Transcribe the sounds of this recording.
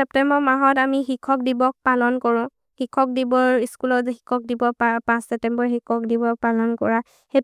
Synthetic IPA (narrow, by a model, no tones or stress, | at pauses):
ɛp̚tɛmbɔmaɦɔtamixikʰɔk̚dibɔk̚palɔnkɔɹɔ̃ | hikʰɔk̚dibɔɹiskulɔzxikʰɔk̚dibɔapãsːɛp̚tɛmbɔɹikʰɔk̚dibɔpalɔnkɔɹa | he